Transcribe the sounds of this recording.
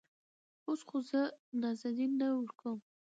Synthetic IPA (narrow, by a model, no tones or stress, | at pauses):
osχozənazad̪inːəwəɾkəm